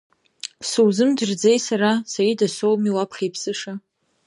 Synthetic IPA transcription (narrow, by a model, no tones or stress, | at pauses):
suwzɨmdɨrd͡zejsaɾasajidasowmiwapʰχʲejpʰsɨʂa